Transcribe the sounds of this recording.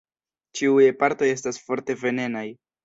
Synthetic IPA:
t͡ʃiujepaɾto̞je̞stasfo̞ɾte̞ve̞ne̞naj

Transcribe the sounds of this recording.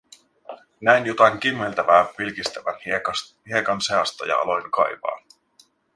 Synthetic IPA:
næjnjot̪ɑŋk̟imːelt̪æʋæːʋilkist̪æʋænhie̞kɑnseɑst̪ɑ̰jɑ̰ɑ̰lo̞jŋkɑ̰jʋɑ̰ː

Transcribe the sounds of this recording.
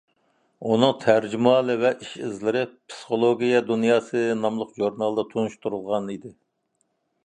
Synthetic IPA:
unɨŋt̪ʰæɾd͡ʒymɑːlˠɨvɛʔiʃɪzlɪɾɪpʰsɨ̥χolˠoɡʲijɛd̪unjɑːsɨnɑmlˠʊqʒuɾnɑlˠd̪ɑt̪ʰunuʃt̪uɾulˠʁɑnid̪ɪ

